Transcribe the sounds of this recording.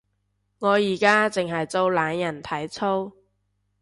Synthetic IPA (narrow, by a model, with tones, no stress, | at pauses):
ŋɔː˨˧jiː˨˩kaː˥t͡sɪ˨ŋɦɐ˨jt͡so˧wlaː˨˧njɐ˨˩nt̪ʰɐ˨˥jt͡sʰo˥w